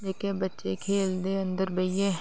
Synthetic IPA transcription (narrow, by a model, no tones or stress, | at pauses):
d̪eːkẽbɐtːʃekʰeːld̪eɐ̃nd̪əɾbɐije